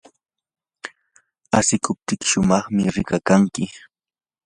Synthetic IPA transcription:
asɪkʊp̚t̪ɪkɪ̥ʃʊmɑχmɪɾɪkakaŋkɪ

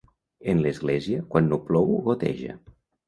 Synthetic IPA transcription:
enlezɣlɛziəkwanːoplɔwɣot̪ḛʒə̰

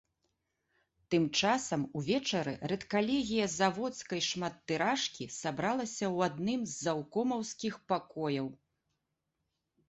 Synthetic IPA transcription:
t̪ɨmt͡ʂasɐmuvʲɛt͡ʂɐɾɨ̰rɛt̪kalʲɛɣʲijɐzavɔt̪skɐjʂmat̪ːɨɾaʂkʲisabɾalˠɐsʲɐwad̪nɨmzːawkɔmɐwskʲixpakɔjɐw

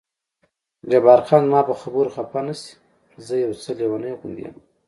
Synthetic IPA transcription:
ɡabɑɾxɑnmɑpəxabuɾxapanasi̥ | zəjawt͡səlewanəjɣund̪ija̰m

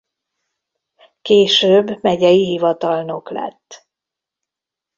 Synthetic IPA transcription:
keːʃøːbːmɛɟɛjiɦivɒt̪ɒlno̞klɛ̰t̪ː

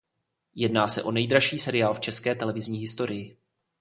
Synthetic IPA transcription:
jɛdnaːsɛ̰ʔo̞nɛjdɾaʃiːsɛɾɪjaːlft͡ʃɛskɛːt̪ɛlɛvɪzɲiːɦɪst̪o̞ɾɪjɪ

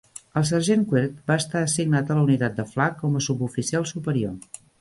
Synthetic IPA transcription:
əlˠs̬ərʒeŋkweɾt̪̚baːst̪aəsiɡnat̪ələunit̪at̪̚d̪əflakːɔməsubufisialˠsupəɾio

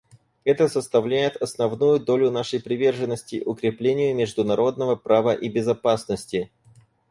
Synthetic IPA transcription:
ɛt̪əsəst̪ɐvlʲæjɪt̪ɐsnɐvnujʊd̪o̞lʲʊnaʂəjpɾʲɪvʲe̞rʐɨnːəsʲtʲɪʔʊkɾʲɪplʲenʲɪjʊmʲɪʐd̪ʊnɐɾo̞d̪nəvəpɾavəʔibʲɪzɐpasnəsʲtʲɪ

